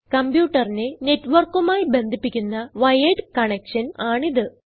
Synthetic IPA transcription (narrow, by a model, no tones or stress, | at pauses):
kɐmbjuːʈːɐrinene̞tːʋɐrkːumaːjbe̞nd̪ʱipːikʲːunːɐʋɐjeɖɨkɐɳekʂɐnaːɳiðɨ